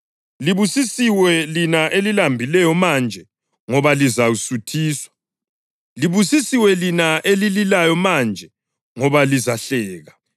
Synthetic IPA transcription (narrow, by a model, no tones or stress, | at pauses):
liβusisiwɛlinaʔelilambʱilɛjɔmand͡ʒʱɛ | ŋɔβalizawusutʰiːswḁ | liβusisiwɛlinaʔelililajɔmand͡ʒʱɛ | ŋɔβalizaɬɛːɣa